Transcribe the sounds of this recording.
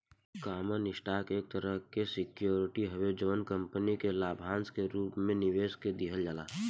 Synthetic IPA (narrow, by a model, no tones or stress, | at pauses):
kaːmanɪʃʈaːkeːk̚t̪əɾəɦkesɪkjoːɾɪʈiɦɐwed͡ʒəʋənkə̃mpənikelaːbʱaːnskeɾuːpmẽnɪʋeːsked̪iɦəld͡ʒaːla̰ː